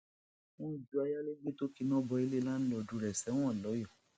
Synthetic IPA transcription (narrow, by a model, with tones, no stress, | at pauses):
wɔ̃˦i˨d͡ʒu˦a˧ja˦le˦ɡ͡be˦to˦ki˧nɔ̃˦bɔ˧e˧le˦la˦nũ˦lɔ˨˧du˨˦ɾɛ˨sɛ˨˦w̃ɔ̃˦˨lɔ˨˦jɔ˦˨